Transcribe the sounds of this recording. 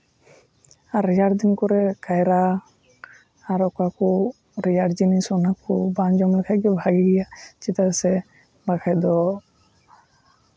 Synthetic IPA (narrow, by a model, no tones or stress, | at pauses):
aɾːɛjaɽd̪inkɔɾɛkajɾa | aɾɔkakɔ | ɾɛjaɽd͡ʒinisɔnakɔband͡ʒɔmlɛkʰaɡɛbʱaɡiɡɛjat͡ʃɛt̪asɛ | bakʰajd̪ɔ